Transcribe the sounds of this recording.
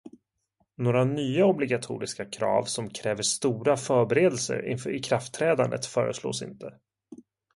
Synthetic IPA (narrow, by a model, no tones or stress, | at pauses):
noːɾanyːaɔblɪɡat̪ʰṵːɾɪskakʰɾɑ̰ːvsɔmkʰɾɛːvəʂt̪uːɾafœːɾbɛɾeːd̪ɛlsə̰ɾɪ̰nfɾɪkʰɾaft̪ʰːɾɛːd̪and̪ət̪fœːɾə̰slo̰ːsɪ̰nt̪ʰə